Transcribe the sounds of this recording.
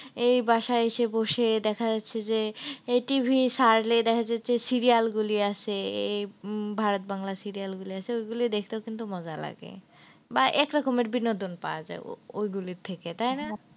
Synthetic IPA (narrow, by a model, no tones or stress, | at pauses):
ejbaʃaeʃeboʃed̪ɛkʰad͡ʑatːɕʰed͡ʑeeʈibʱisaɾled̪ɛkʰad͡ʑatːɕʰesiɾialɡuliaʃʰeejbʱaɾot̪̚baŋlasiɾialɡuliaʃʰeojɡulid̪ekʰt̪eokint̪umɔd͡ʑala̰ɡḛ | baʔɛkɾɔkomeɾbinːod̪ʱonpa̰oad͡ʑa̰eo̰ojɡuliɾt̪ʰeket̪ajna